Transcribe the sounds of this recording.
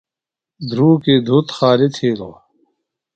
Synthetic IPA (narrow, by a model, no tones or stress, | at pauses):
d̪ʱɾuːked̪ʱut̪xaːlit̪ʰeːlo